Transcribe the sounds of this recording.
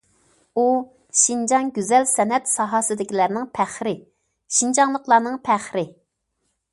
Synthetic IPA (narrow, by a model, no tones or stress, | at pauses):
u | ʃind͡ʒɑnɡʲyzɛlsɛnɛt̪sɑɦɑsɨd̪ɪkʲʰilæɾnɪŋpʰæχɾɪ | ʃind͡ʒɑŋlˠəqlˠɑɾnɨŋpʰæχɾɪ